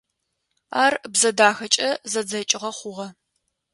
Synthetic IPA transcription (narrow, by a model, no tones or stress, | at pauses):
aːrbzɐdaːxɐt͡ʃʼɐzɐd͡zɐt͡ʃʼɪʁɐχʷʊʁɐ